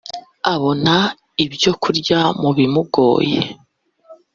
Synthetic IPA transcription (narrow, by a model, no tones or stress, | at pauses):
aβo̞na | ibɟo̞kuɾɟamuβimuɡo̰ːje